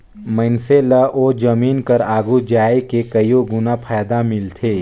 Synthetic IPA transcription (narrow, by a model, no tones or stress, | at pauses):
mənseləʔoːd͡ʒɐmiːnkɐɾaːɡud͡ʒaːekekɐjoɡʊnapʰaːd̪amɪlt̪ʰeː